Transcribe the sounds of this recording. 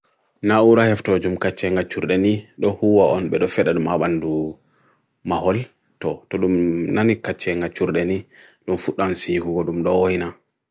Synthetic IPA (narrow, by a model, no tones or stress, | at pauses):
nauɾahaftɔd͡ʒumkat͡ʃːɛŋɡat͡ʃːuɾɗɛniɗɔhuwaʔɔnɓɛɗɔfɛɗaɗumaɓandu | maɦɔl | tɔtɔɗumnanikat͡ʃːɛŋɡat͡ʃːuɾɗɛni | ɗumfuɗːansiːhuɡɔɗumɗɔohina